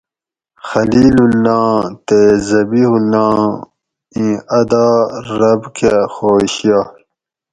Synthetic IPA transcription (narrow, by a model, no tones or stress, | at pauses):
xɐliːlulːɑ̃ːt̪ezɐbihulɑ̃ː | ĩɐd̪ɑːɾɐbkexoːɕijaː